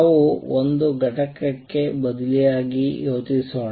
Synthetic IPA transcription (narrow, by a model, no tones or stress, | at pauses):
ʋuond̪uɡɐʈɐkːɐkːe̞bɐd̪ilijaːɡijoːt̪iso